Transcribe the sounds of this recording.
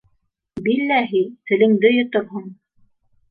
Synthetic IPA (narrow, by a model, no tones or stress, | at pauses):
bilːæɦit̪ɘ̆lɘ̆ŋd̪ɘjŏt̪oɾɦɤɴ